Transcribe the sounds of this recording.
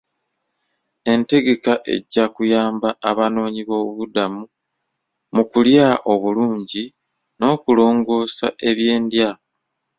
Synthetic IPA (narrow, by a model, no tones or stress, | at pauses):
e̞nte̞ɡe̞kaʔe̞̰ɟːakujaːmbaaβano̞ːɲiβo̞ːβuβudamu | mukuljaʔo̞βuluːɲɟi | no̞ːkulo̞ːŋɡo̞ːsa̰ʔe̞βje̞ːndja